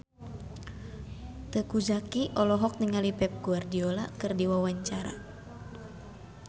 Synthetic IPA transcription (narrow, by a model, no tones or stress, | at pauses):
t̪əkud͡ʒakiʔɔlɔɦɔk̚niŋalipɛp̚ɡuardiolakɨrdiwawaɲt͡ʃaɾa̰